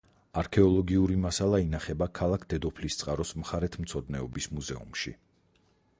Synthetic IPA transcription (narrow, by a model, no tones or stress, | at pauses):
aɾkʰɛɔlˠɔɡiuɾimasalˠainaχɛbakʰalˠakʰd̪̥ɛd̪ɔpʰlist̪sʼqʼaɾɔsmχaɾɛt̪ʰmt̪sʰɔd̪nɛɔbismuzɛṵmʃḭ